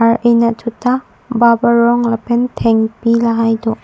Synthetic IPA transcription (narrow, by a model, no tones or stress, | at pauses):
aɾejnatʰuta | babaɾɔŋlɐpʰentʰeŋpilaɦajdɔ